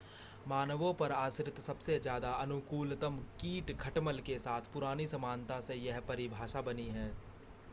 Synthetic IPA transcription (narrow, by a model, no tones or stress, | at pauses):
maːnəʋõpɐɾaːsɾɪt̪sɐbsezjaːd̪aʔɐnʊkuːlt̪əmkiːʈɡʱɐʈməlkesaːt̪ʰpʊɾaːnisɐmaːnt̪asejɐɦpɐɾɪbʱaːʃabɐniɦɛː